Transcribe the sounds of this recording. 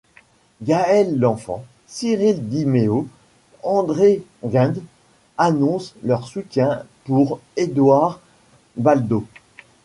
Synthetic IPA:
ɡaɛlːɑ̃fɑ̰̃ | siʁild̪imeo | ɑ̃d̪ʁeʁɛ̃d̪ | anɔ̃slœʁsut̪jɛ̃puʁed̪waʁ | bald̪o

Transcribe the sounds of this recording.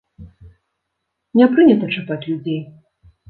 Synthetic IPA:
nʲɛpɾɨnʲɐt̪ɐt͡ʂapat͡sʲlʲud͡zʲej

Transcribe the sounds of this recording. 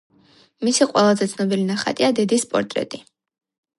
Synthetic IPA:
misiqʼwɛlˠazɛt̪sʰnɔbilinaχa̰t̪ʼiad̪ɛd̪ispʼɔ̰ɾt̪ʼɾɛ̰t̪ʼi

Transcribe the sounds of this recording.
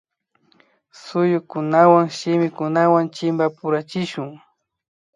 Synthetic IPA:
sʊjʊkʊnawaŋʃɪmɪkʊnawant͡ʃɪmbapʊɾat͡ʃɪʃʊŋ

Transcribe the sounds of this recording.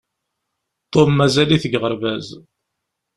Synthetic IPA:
t̪ˤːomːæzæliθəɡʁəɾvæz

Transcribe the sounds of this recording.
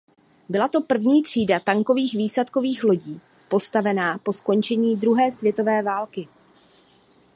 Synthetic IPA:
bɪlat̪o̞pr̩vɲiːt̪r̝̥iːdat̪aŋko̞viːxviːslɛt̪ko̞viːxlo̞ɟiː | po̞st̪avɛnaːpo̞sko̞nt͡ʃɛɲiːd̪ɾuɦɛːsvjɛt̪o̞vɛːvaːlkɪ

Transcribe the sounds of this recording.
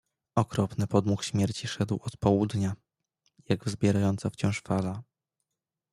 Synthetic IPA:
ɔkɾɔpnɘpɔd̪muxɕmʲjɛɾt͡ɕiʂɛd̪wɔt̪pɔwud̪ɲa | jaɡzbʲjɛɾajɔnt̪saft͡ɕɔ̃w̃ʂfala

